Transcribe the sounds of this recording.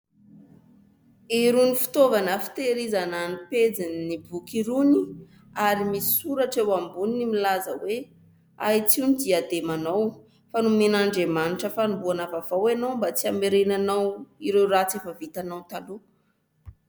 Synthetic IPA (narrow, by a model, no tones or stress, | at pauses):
iɾunifi̥t̪ovanəfi̥t̪eɾizananiped͡zinnibukiɾuni | aɾimisi̥suɾaʈ͡ʂewambuninimilazəwe | a̰jt͡siunid̪iad̪emanaw | fanumenaɳɖ͡ʐemaniʈ͡ʂəfanumbuanavav̥awanowmbat͡siameɾenanawiɾewrat͡sefəvit̪anawt̪alu